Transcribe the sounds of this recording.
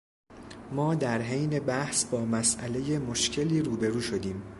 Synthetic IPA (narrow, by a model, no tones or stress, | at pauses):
mɒːd̪æɾɦejne̞bæhsbɒːmæsʔæle̞je̞mo̞ʃcʰe̞liːɾuːbe̞ɾuːʃo̞d̪iːm